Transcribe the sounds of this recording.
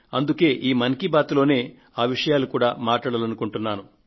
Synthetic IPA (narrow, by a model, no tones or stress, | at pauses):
ɐnd̪uke̞ːʔiːmɐŋkibaːt̪ulo̞ːne̞ː | aːʋiʂɐjaːlukuːɽaːmaːʈaːɽɐlɐnukuɳʈunːaːnu